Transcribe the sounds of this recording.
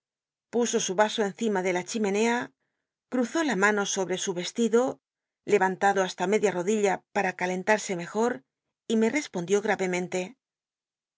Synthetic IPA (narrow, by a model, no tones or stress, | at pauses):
puso̞suβaso̞e̞n̟θimaðe̞lat͡ʃime̞ne̞a | kɾuθo̞lamano̞so̞βɾe̞suβe̞st̪iðo̞ | le̞βant̪aðo̞ast̪ame̞ðjaro̞ðiʎapaɾakale̞nt̪aɾse̞me̞xo̞ɾ | ime̞re̞spo̞nd̪jo̞ɣ̞ɾaβe̞mẽ̞nt̪e̞